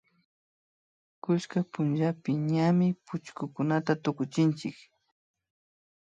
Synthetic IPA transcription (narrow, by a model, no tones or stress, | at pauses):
kʊʃkapʊnʒapɪɲamɪpʊt͡ʃkʊkʊnat̪at̪ʊkʊt͡ʃɪnt͡ʃɪk